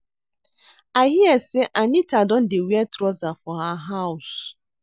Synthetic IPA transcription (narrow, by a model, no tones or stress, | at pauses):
aɦiɛsɪʔanitadɔn̩dɪwiɛtɾɔzafɔɦaɦaʊs